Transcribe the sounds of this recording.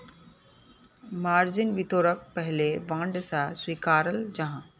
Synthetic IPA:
maːɾzɪnʋit̪oːɾək̚pɐɦɪleʋãːɳɖsãswiːkaːɾəld͡ʑɐ̃ɦã

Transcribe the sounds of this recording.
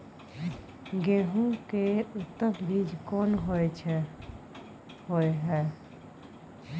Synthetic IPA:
ɡẽɦũkeut̪ːəmbid͡ʒʱkonɦot͡ʃʰ | hojɦɛ

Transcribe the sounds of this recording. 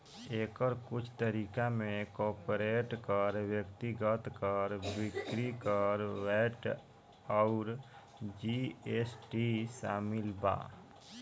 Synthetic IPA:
eːkəɾkʊt͡ʃʰt̪əɾiːkamẽkɔːɾpɾeːʈkəɾwjəkt̪iɡət̪kəɾbɪkɾikəɾʋɛːʈ | ɔʊɾ | d͡ʒiesʈisa̰ːmɪlba̰ː

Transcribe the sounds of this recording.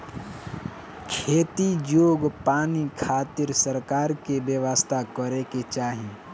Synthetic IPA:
kʰeːt̪id͡ʒoːɡpaːnikʰaːt̪ɪɾsəɾkaːɾkebjəʋast̪ʰakəɾeket͡ʃaːɦĩː

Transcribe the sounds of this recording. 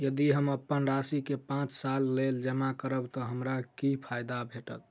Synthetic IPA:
jəd̪iɦəməpːənɾasikepãt͡ʃsalːeld͡ʒəmakəɾəbt̪ɔɦəmɾakipʰajd̪abʱeʈət̪̚

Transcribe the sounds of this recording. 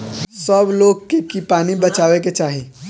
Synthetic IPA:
səbloːɡkekipaːnibɐt͡ʃaːʋeket͡ʃaːɦiː

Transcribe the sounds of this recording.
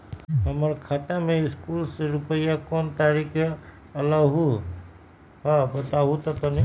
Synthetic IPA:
ɦɐməɾkʰaːt̪amẽɪskuːlseɾʊpəjakoːnt̪aːɾikʰe | ɐlaɦu | ɦabət̪aɦut̪ɐt̪ɐni

